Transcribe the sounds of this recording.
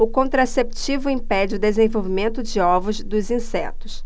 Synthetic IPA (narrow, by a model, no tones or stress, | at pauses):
ʊkõnt̪ɾasept͡ʃivʊĩpɛd͡ʒɪʊd̪ezẽvowvimẽnt̪ʊd͡ʒɪɔvʊzd̪ʊzĩsɛt̪ʊs